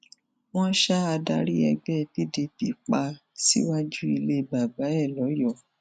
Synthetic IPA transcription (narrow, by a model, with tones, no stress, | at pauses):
w̃ɔ̃˦ʃa˦a˧da˧ɾi˦ɛ˧ɡ͡bɛ˦˨bi˦de˧pi˨k͡pa˧sḭ˦wa˦d͡ʒu˦i˧le˦˨ba˨ba˨˦ɛ˦˨lɔ˨˦jɔ˦˨